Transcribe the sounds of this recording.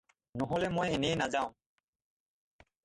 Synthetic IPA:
nɔɦolemojenejnad͡ʑaʊ̃ŋ

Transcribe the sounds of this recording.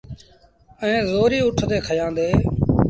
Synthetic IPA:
əẽːzoːɾiːʊʈʰd̪eːkʰəjãːd̪eː

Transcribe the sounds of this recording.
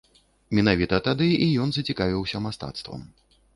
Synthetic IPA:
mʲɛnavʲit̪ɐt̪ad̪ɨijɔnzɐt͡sʲikavʲiwsʲɐmast̪a̰t̪st̪vɐ̰m

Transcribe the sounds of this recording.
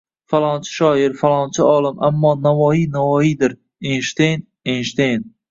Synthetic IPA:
falˠɒnt͡ʃʰɪ̥ʃɒːɪɾfalˠɒnt͡ʃʰaɒlˠɪmʔamːɒːnavɒinavɒid̪ɪɾ | enʃt̪ejn | enʃt̪ejn

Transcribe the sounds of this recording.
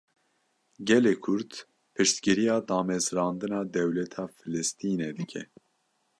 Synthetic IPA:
ɡɛleːkʰʊɾt̪ | pʰɨʃt̪ɡɨɾijɑːd̪ɑːmɛzɾɑːnd̪ɨnɑːd̪ɛwlɛt̪ʰɑːfɨlɨst̪ʰiːneːd̪ɨkʰɛ

